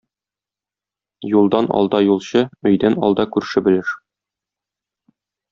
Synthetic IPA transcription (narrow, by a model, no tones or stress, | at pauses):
julˠd̪ɑnɒ̰lˠd̪ɑjulˠɕɤɵ̆jd̪ænɒ̰lˠd̪ɑkʉɾʃɘbɘ̆lɘʃ